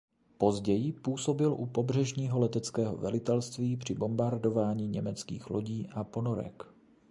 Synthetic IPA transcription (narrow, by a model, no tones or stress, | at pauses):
po̞zɟɛjɪpuːso̞bɪlʔupo̞br̝ɛʒɲiːɦo̞lɛt̪ɛt͡skɛːɦo̞̰vɛlɪt̪ɛlst̪viːpr̝̥ɪbo̞mbaɾdo̞vaːɲiːɲɛmɛt͡skḭːxlo̞ɟiːʔapo̞no̞ɾɛ̰k